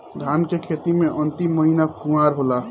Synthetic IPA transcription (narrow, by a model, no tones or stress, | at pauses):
d̪ʱaːnkekʰeːt̪imẽʔə̃nt̪imːəɦinakumaːɾɦoːla